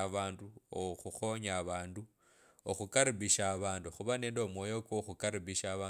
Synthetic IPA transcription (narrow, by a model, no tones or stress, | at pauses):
βaːnduoxuxo̞ɲaβaːndu | o̰xukaɾiβiʃaːβaːnduxuβane̞ːndo̞mwoːjo̞koxukaɾiβiʃaβaː